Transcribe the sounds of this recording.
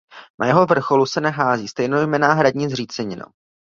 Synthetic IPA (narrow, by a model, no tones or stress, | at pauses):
nʔajɛɦovr̩xo̞lusɛnɛɦaːziːst̪ɛjnojmɛnaːɦɾaɟɲiːzriːt͡sɛɲɪno̰w